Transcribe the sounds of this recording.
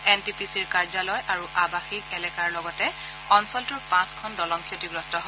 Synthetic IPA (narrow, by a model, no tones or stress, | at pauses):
ɛntipisiɹkaɹzalɔjʔaɹuʔabaxik̚ɛlɛkaɹlɔɡɔtɛ | kɔnsɔltuɹpãskʰɔndɔlɔŋkʰijɔtiɡɹɔstɔɦɔ